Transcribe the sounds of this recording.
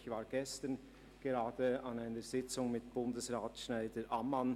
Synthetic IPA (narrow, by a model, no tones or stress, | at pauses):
çvaːɾɡɛstən | ɡ̥eʁaːd̥əanaɪnəz̥ɪt͡sʊŋmɪtb̥ʊndəsʁaːtʃnaɪdəʔaman